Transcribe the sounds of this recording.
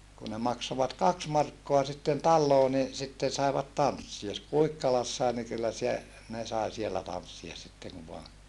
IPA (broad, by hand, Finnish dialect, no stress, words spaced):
kun ne mɑksoʋɑt kɑks mɑrkːoɑ sitːen tɑlːoː ni sitːen̞ sɑeʋɑt tɑnsːiɑ s kuikːɑlɑsːɑe ni kylːæ sie ne sɑi sielːæ tɑnsːiɑs sitːeŋ ku ʋoɑ